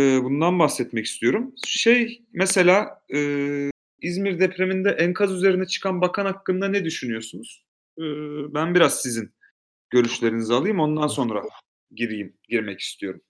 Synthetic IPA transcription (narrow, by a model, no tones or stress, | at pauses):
bund̪anbaxsɛt̪mɛci̥st̪ʰijo̞ɾumʃejmɛse̞lʲaːɯː | izmiɾd̪ɛpɾe̞mind̪ɛʔænkʰazyze̞ɾinɛt͡ʃʰɯ̥kʰanbakʰanakːɯnd̪anɛd̪yʃynyjo̞sunuz̥ | ɯːbænbiɾazsizin | ɟ̥ø̞ɾyʃlʲe̞ɾinizalˠɯjɯmo̞nd̪anso̞nɾa̰ | ɟiɾijim | ɟiɾmɛci̥st̪ʰijo̞ɾum